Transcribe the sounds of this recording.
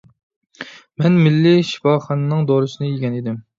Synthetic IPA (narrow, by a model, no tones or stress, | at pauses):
mɛnmɪlːɪʃi̥fɑχɑnɨnɨŋd̪oɾɨsɨnɨjiɡʲɛnid̪ɪm